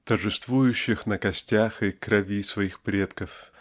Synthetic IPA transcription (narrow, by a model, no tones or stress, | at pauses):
t̪ərʐɨst̪vujʊɕːɪxnəkɐsʲtʲaxɨkɾɐvʲisvɐixpɾʲet̪kəf